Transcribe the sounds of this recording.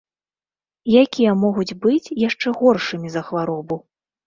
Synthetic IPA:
jakʲijɐmɔɣud͡zʲbɨt͡sʲjaʂt͡ʂɛɣɔrʂɨmʲizɐxvaɾɔbu

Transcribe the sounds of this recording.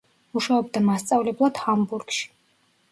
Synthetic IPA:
uʃaɔbd̪amast̪sʼavlɛblˠad̪̥hambuɾɡʃi̥

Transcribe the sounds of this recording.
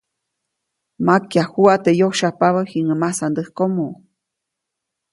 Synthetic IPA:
makjahuat̪ejohʃapaβahiŋəmasand̪əhkomo

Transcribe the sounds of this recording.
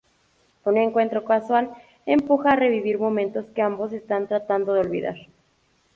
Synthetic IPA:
uneŋkwe̞nt̪ɾo̞kaswal | e̞mpuxaːre̞βiβiɾmo̞mẽnt̪o̞skeambo̞s̬e̞st̪ant̪ɾat̪and̪oðeo̞lβḭða̰ɾ

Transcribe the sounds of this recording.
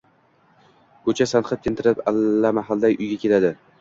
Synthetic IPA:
kʰɵt͡ʃʰasanχɨt̚kʲʰent̪ʰɪɾɪpalːamaɦalˠd̪ajʔʊjɡʲakʲʰe̞lad̪ɪ

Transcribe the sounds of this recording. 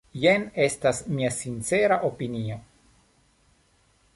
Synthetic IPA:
jene̞stasmiasint͡se̞ɾaʔopinio̞

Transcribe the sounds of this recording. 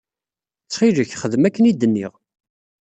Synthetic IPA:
t͡sːχiʒəçχəðmækːənid̪ənːiʁ

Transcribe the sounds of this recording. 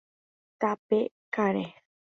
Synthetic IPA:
t̪ape | kaɾe

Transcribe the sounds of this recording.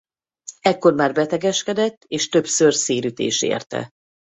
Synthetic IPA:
ɛkːo̞rmaːrbɛt̪ɛɡɛʃkɛd̪ɛt̪ːeːʃt̪øbsørseːɾyt̪ḛːʃḛːrt̪ɛ̰

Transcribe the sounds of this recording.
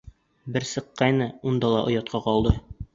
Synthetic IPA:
bɘɾsɤ̆qːɑjnɤund̪ɑlˠɑʔŏjɑt̪̚qɑqɒlˠd̪ɤ

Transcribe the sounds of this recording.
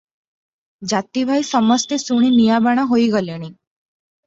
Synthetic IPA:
d͡ʒat̪ibʱajsəməst̪esuɽ̃inijabaɽ̃aɦoiɡəleɽ̃ĩ

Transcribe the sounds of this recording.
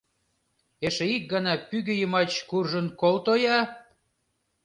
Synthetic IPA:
eʃĕik̚ɡɑnɑpyɣø̆jəmɑt͡ɕkurʒə̆nkolt̪ojɑ

